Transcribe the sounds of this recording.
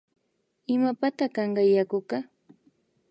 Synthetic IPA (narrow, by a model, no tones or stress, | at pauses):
ɪmapat̪akɑɴɢɑjakʊkɑ